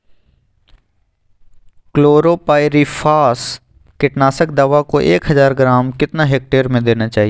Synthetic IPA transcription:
kloːɾopaːɪɾifʰaːs | kɪʈnaːsək̚d̪ɐʋakoʔeːkɦɐzaːɾɡɾaːmkɪt̪naɦeːk̚ʈeːɾmẽd̪eːnat͡ʃaːɦie

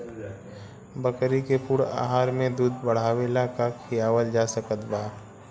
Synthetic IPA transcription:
bəkɾikepuɽa̰ːɦaːɾmẽd̪uːd̪bəɽ̤aːʋelakakʰijaːwəld͡ʒaːsəkət̪baː

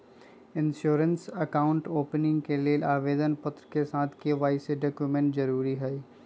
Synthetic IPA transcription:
ɪ̃nʃoːɾənsɐkaːʊ̃ɳʈoːpnɪ̃ŋɡkelielaːʋeːd̪ənpʊt̪ɾəkesaːt̪ʰkeʋaːɪseɖoːkjumẽɳʈzɐɾuːɾiɦɛi

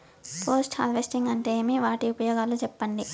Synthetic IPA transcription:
pʰoːsʈa̰ːlʋesʈiŋɡɐɳʈeːmiʋaːʈiupɐjoːɡaːlut͡ʃɛpːɐɳɖi

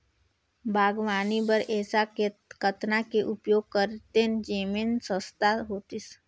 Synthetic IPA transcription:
bʱaːɡʋaːnibəɾʔɛːsakkət̪nakeʔʊpjoːɡ̚kəɾt̪end͡ʒeːminsə̃st̪aɦoːt̪is

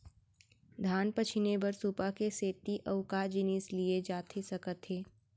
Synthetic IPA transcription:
d̪ʱaːnpət͡ʃʰɪnebɐɾsupakeseːt̪iʔɐʊkad͡ʒɪnislied͡ʒaːt̪ʰesɐkət̪ɦeː

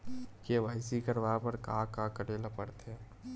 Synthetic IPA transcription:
keʋaːɪsikəɾʋapəɾkakakəɾeːlapəɾt̪ɛː

